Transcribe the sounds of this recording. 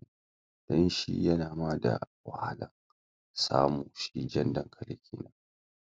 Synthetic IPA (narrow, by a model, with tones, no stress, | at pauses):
d̥ɔ˦nʃḭ˦jɐ˦naː˨maː˦da̰˨wa˨ha˦lɐ˨ŋ | sa̰ː˦muː˨ʃi˦d͡ʒɐ˦ndɐ˨ŋkʰɐ˨le˨kʲʰiː˦na˦